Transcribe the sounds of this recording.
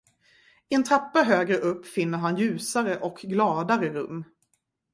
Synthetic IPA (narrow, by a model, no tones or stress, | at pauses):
ɪɛnt̪ʰɾapːaɦøːɡɾəʔɵpːfɪnːəɾɦanjʉ̟ːsaɾəʔɔkʰɡlɑːd̪aɾəɾɵ̰mː